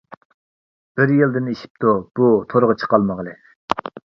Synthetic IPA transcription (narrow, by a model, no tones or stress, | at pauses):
b̥ɪɾjild̪ɪniʃi̥p̚t̪ʰub̥ut̪ʰoɾʁət͡ʃʰə̥qʰɑlˠməʁəlˠɨ